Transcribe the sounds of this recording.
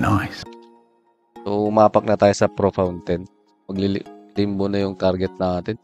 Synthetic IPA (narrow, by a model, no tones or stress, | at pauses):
nojs | soʊmaːpɐk̚nɐt̪aːjosɐpɾofawnt̪ɛn̚ | mɐɡlɪ̰limbonɐjʊŋt̪aɾɡɛt̪̚nɐʔaːt̪ɪn